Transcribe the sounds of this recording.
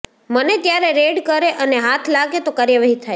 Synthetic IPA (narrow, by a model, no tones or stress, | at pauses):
mənet̪jaɾeɾeɖkəɾeʔəneɦat̪ʰlaɡet̪okaɾjəʋaɦit̪ʰaj